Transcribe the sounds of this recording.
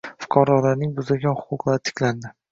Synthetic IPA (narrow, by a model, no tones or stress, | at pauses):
fʊ̥qʰɒɾɒlaɾnɪŋbʊzɪlɡʲanhʊ̥qʰʊqlˠaɾɪt̪ʰɪ̥kʲland̪ɪ